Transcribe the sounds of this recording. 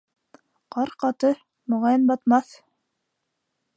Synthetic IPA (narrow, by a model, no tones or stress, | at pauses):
qɑɾqɑt̪ɤ | mŏʁɑjɤnbɑt̪mɑθ